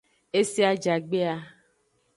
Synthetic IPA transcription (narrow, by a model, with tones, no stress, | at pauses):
e˦si˦a˦d͡ʒa˨ɡ͡be˦a˦